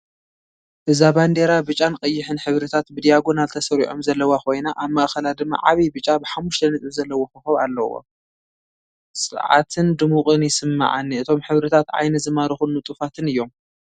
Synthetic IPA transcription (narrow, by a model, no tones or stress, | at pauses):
ʔɨzaband̪e̞ɾabɨt͡ʃʼːankʼɐjːɪħɨnħɨβɾɨt̪ʰat̪bɨd̪ijaɡo̞nalt̪ʰɐsɐɾiʕomzɐlːɐwakʰo̞jnaʔaβmaʔxɐlad̪ɨmːa̰ʕaβibɨt͡ʃʼabɨħamːuʃt̪ʰɐnɨt̪ʼɨzɐlːɐwoxɨxɐβa̰lːɐwo̰ | sʼɨʕa̰t̪ʰɨnd̪ɨmukʼɨnjɪsɨmːa̰ʕa̰nːiɨt̪ʰo̞mħɨβɾɨt̪ʰat̪ʕa̰jnɐzɨmaɾɨxunːut̪ʼufat̪ʰɨnɨjːo̞m